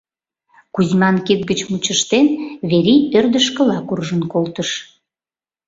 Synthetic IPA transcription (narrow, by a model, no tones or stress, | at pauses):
kuzmɑnket̪̚ɡət͡ɕmut͡ɕəʃt̪enβeɾiørd̪əʃkəlɑkurʒənkolt̪əʃ